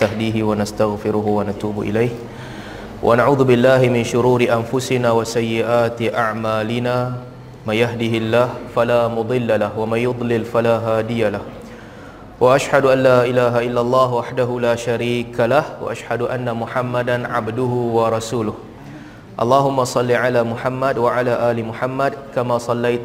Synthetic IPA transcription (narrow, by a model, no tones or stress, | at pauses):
aɦd̪iːɦɪwanast̪aɣfɪɾʊɦʊwanat̪uːbʔɪ̰lajh | wʔa̰naʕuːðʊbɪlːaːɦɪmɪnʃʊɾuːɾɪʔanfʊsɪnaːwasajːɪʔaːt̪ɪʔaʕmaːlɪnaː | manjaɦd̪ɪhɪlːaːhfalaːmʊd̪ˤɨlːalahwamanjːʊd̪ˤlɪlfalaːɦaːd̪ɪjalah | wʔaʔaʃhaduʔanːaːʔɪlaːɦaʔɪlːalˤːɑːɦwaħdaɦulaːʃaɾiːkalahwa̰ʔaʃhadʊʔanːamʊħamːadanʕabdʊɦʊwɑɾˤɑsuːlʊh | ʔɑ̰lˤːɑːɦʊmːasˤɑlːiʕalaːmʊħamːadwaʕalaːʔaːlimʊħamːadkamaːsˤɑlːajt̪